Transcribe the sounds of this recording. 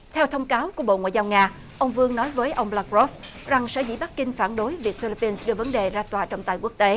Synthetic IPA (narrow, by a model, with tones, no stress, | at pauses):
t̪ʰɛ˧wt̪ʰə˧wŋ͡mkaː˨˦wku˧˩əɓo̰˧˨ŋwa̰ː˧˨zaː˧wŋaː˧ | ʔə˧wŋ͡mvɨ˧əŋnɔ˨˦jvəː˨˦jʔə˧wŋ͡mɓlaː˧kzɔ˦˥f | za˨˩ŋsə̰ː˧˩zḭ˧˥ɓa˦˥k̚ːï˧ŋ̟faː˧˩nɗo˨˦jvi˨˩ək̚fi˧li˧˥pːi˧nsɗɨ˧əvə˨˦nɗe˨˩zaː˧t̪waː˨˩t͡ɕɔ˧wŋ͡mt̪a̰˧˨jku˦˥ək̚t̪e˨˦